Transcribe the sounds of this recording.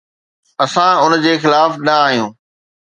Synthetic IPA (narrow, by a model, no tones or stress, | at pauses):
ɐsãʊnd͡ʑeːxɪlaːfnɐaːɦijũː